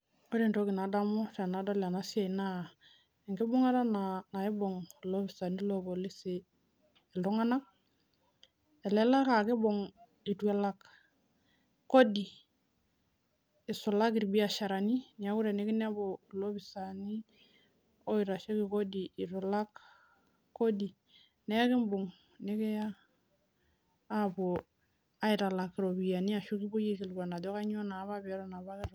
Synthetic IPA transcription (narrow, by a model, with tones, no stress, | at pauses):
ko˦di˨nto˦ki˨na˨da˦mɔ˦ta˨na˨˦da˦la˨na˦sja˨i˨na˦ | ɛ˨ŋɡɪ˦bʊ˦ŋa˦ɾa˦nana˨ɪ˦bɔ˨ŋlo˦βɪ˨sa˨ni˦lo˦bɔ˨lɪ˦se˨ | ɛ˨lɔ˦ŋa˦na˦k̚ | ɛ˨lɛ˦la˦ka˨kɪ˦bɔ˨ŋ | i˨twɛ˨˦la˦k | ko˦di˨ | ɪ˨sʊ˨la˦ki˨ɾbi˦a˨ʃa˨ɾa˨ni˦ni˨a˨˦ku˦ɾe˨ne˦kɪ˦n˦a˦bo˨lo˦bi˨sa˨ni˦ | o˦i˨ɾa˨ʃe˦kɪ˨ko˦diː˨ɾo˨la˦k | kːo˦di˨ | nɛ˦kɪ˦mbo˨ŋ | ne˦ke˦ja˦ | bo˨ | a˦ɪ˨ɾa˨la˨kɪ˨ɾo˨bi˨ja˨ni˦a˨ʃu˦ki˦bo˦je˦ki˨lɡa˨na˨dɔ˦ka˦ɲ˦o˦na˨˦βa˦bɾɔ˦na˨ba˦kɾ